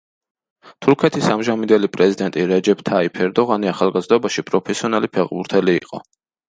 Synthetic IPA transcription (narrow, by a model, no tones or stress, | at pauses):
t̪ʰuɾkʰɛt̪ʰisamʒamind̪ɛlipʼɾɛzid̪ɛnt̪ʼiɾɛd͡ʒɛpt̪ʰaipʰɛɾd̪ɔʁaniaχalˠɡazd̪ɔbaʃipʼɾɔpʰɛsiɔnalipʰɛʁbuɾt̪ʰɛlḭːqʼɔ̰